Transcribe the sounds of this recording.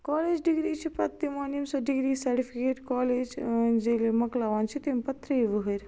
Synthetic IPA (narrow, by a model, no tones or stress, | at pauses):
kɔːleːd͡ʒɖiɡɾiːt͡ʃʰipɐt̪ːimaːnimsɔːɖiɡɾiːsɐɾʈipʰikeːʈkɔːleːd͡ʒd͡ʒeːlemɐklaːʋaːnt͡ʃʰit̪empɐt̪ɾəiʋɨɦəɾ